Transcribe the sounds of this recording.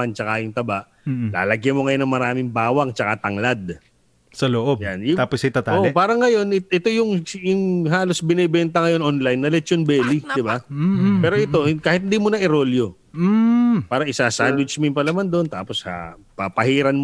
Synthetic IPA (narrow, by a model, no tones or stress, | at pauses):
ant͡ʃɐkajʊŋt̪ɐbaʔ | la̰ːlɐɡjɐmoŋɐjonɐŋmɐɾaːmɪŋbaːwɐŋt͡ʃɐkat̪ɐŋlad̪̚ | sɐloʔobjanjʊt̪aːposɐt̪at̪aoʔpaːɾɐŋːɐjo̞nɪʔɛt̪o̞jʊŋjʊŋɦaːlo̞sbɪnɛbɛnt̪ɐŋɐjo̞nʔonlajnːɐlɛt͡ʃonbɛːlid̪ɪbapɛːɾo̞ʔɛt̪o̞ɪkaːhɪt̪hɪnd̪imʊnɐʔɪɾo̞ljo | paːɾɐʔɪsaːsanwɪt͡ʃmɪmpɐnɐmand̪ont̪a̰ːpo̞sha̰pɐpɐhiːɾɐnm